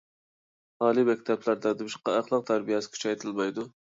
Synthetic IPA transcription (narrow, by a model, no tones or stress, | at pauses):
hɑːlˠimɛkʲt̪ʰɛplæɾd̪ɛd̪ɨbyʃqɑæχlˠəq̚t̪ʰæɾbijɛsɪ̥kʲʰy̥t͡ʃʰɛjt̪ʰɨlˠmɑjd̪u